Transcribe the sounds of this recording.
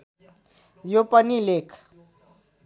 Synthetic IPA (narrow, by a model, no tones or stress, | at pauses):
jopənilekʰ